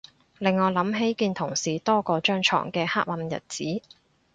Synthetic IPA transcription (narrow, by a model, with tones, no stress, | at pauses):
lɪ˨ŋːɔː˨˧lɐ˨˥mɦe˨˥jkiː˧nt̪ʰʊ˨˩ŋsiː˨t̪ɔː˥kɔː˧t͡ʃœː˥ŋt͡ʃʰɔ̰ː˨˩ŋkɛː˧haː˥k̚wɐ˧mjɐ̰˨t̚t͡siː˨˥